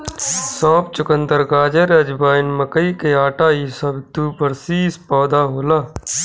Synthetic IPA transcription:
sɔ̃ːp̚t͡ʃʊkənd̪əɾɡaːd͡ʒəɾɐd͡ʒbaːɪnmɐkəikeaːʈaːiːsɐbt̪uːpəɾsiːspɔːd̪aːɦoːlaː

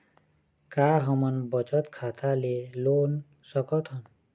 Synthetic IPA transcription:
kaɦəmʌnbʌt͡ʃʌt̪kʰat̪ʰalelon | sʌkɔt̪ʰɦʌn

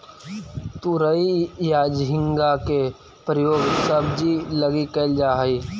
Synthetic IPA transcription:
t̪uɾəijaːd͡ʒɦɪŋɡake | pɾəjoːɡsəbd͡ʒiləɡikəld͡ʒaːɦəiː

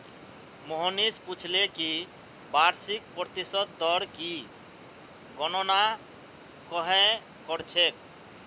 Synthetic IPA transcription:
moɦɔnisput͡ʃʰleki | baɾsikpɾɔt̪isɔd̪d̪ɔɽki | ɡɔnɔna | kɔɦɛ̃ | kɔɾt͡ʃʰek̚

